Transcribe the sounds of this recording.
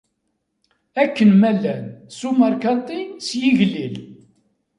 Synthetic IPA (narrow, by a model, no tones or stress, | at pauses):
ækːənmælːænsumɑɾˤkɑt̪ˤisjiʝlil